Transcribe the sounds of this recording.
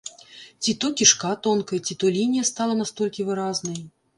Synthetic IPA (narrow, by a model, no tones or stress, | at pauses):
t͡sʲit̪ɔkʲiʂkat̪ɔnkɐjɐt͡sʲit̪ɔlʲinʲijɐst̪alˠɐnast̪ɔlʲkʲivɨɾaznɐj